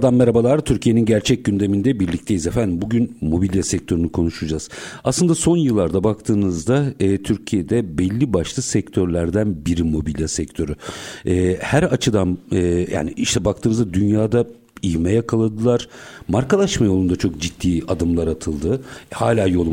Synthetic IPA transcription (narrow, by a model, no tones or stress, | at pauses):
d̪anmeɾabalˠaɾt̪ʰyɾcʰije̞ninɟæɾt͡ʃʰɛc̚ɟynd̪e̞mind̪ɛbiɾlʲict̪ʰe̞jizefænd̪imbuɟynmo̞bilʲjasɛc̚t̪ʰø̞ɾynykʰo̞nuʃud͡ʒaz̥aslˠɯnd̪aso̞njɯlˠːaɾd̪abakt̪ʰɯːnɯzd̪aɛːt̪ʰyɾcʰijed̪ɛbɛlʲːibaʃlˠɯsɛct̪ʰøɾlʲæɾd̪ænbiɾimo̞bilʲjasɛc̚t̪ʰø̞ɾyɛːhæɾat͡ʃʰɯd̪anːja̰ːniiʃt̪ʰɛbak̚t̪ʰɯːnɯzd̪ad̪ynjaːd̪a | iɦmɛjakʰalˠad̪ɯlˠaɾ̥maɾkalˠaʃmajo̞lˠund̪at͡ʃʰo̞k̚d͡ʒit̪ːiːad̪ɯmlˠaɾat̪ʰɯlˠd̪ɯhaːlʲaːjo̞lˠu